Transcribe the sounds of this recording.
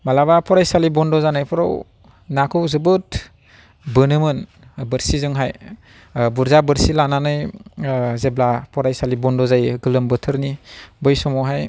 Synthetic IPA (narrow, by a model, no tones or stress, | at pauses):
malabapʰɔɾajsalibɔndɔzanajpʰɔɾɔ̰w | nakʰɯwzɯbɯt | bɯnɯmɯn | bɯɾsizɯŋɦaj | buɾzabɯɾsilananɯj | zeblapʰɔɾajsalibɔndɔzajɡɯlɯmbɯtʰɯɾnibɯjsɔmɔɦaj